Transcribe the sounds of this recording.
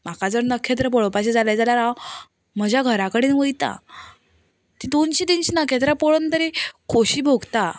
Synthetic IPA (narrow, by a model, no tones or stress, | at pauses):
m̤akad͡zəɾnəkʰːet̪̬ɾəpɔɭəpaɕed͡zaljad͡zaljaɾa | m̤əd͡ʑʱjaɡʱəɾakəɽiːnʋəjt̪a̰ | t̪id̪onɕid̪inɕinəkʰet̪̬ɾapɔɭənt̪əɾekʰoɕiːbʱoɡt̪a